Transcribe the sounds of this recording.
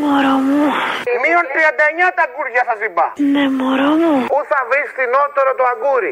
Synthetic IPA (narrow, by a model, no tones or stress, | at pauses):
mɔɾɔmũmiɔʈiad̪ɛɲat̪aɡuɾd͡ʒasasiba̰nɛmɔɾɔmũuθavest̪inɔt̪ɔɾɔt̪oaɡuɾi